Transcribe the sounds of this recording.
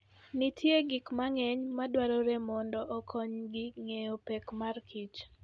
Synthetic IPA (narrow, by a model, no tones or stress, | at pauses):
nitʰjeɡikmaŋɛɲmadwaɾɔɾemɔndɔʔɔkʰɔɲɡɪŋejopɛkmarkʰit͡ʃ